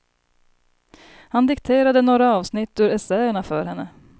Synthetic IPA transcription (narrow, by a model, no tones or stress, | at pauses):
hand̪ɪkt̪ʰeːɾad̪ənoːɾaɑːvsnɪt̪ːʉɾɛsɛəɳafœːɾhɛnːə